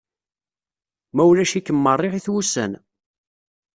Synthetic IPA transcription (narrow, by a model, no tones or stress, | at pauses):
mæwlæʃikːəmːərˤːɪʁiθwusə̰n